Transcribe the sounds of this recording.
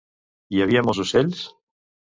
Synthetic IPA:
iaβiamozuseʎs

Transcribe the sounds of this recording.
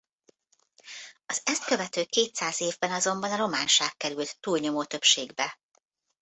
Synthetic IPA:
ɒzɛst̪̚kø̞vɛt̪øːkeːt̪saːzeːvbɛnɒzo̞mbɒnɒɾo̞maːnʃaːkkɛɾylt̪ːuːlɲo̞moːt̪ø̞pʃeːɡbɛ

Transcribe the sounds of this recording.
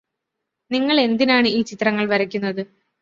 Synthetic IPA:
niŋːɐɭe̞nd̪inaːɳɨiːt͡ɕit̪ːrɐŋːɐɭʋɐɾɐkʲːunːɐðɨ

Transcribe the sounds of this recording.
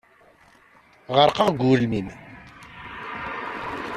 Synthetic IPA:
ʁəɾqɑʁɡuɾəlmim

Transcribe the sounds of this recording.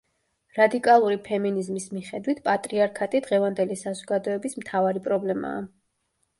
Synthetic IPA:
ɾad̪ikʼalˠuɾipʰɛminizmismiχɛd̪wit̪ʰpʼat̪ʼɾiaɾkʰat̪ʼid̪ʁɛvand̪ɛlisazɔɡad̪ɔɛbismt̪ʰavaɾipʼɾɔblɛma̰ː

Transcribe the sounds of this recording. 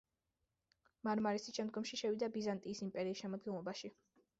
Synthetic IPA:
maɾmaɾisiʃɛmd̪ɡɔmʃiʃɛwid̪abizant̪ʼiːsimpʼɛɾiːsʃɛmɔd̪̚ɡɛnlˠɔbaʃi

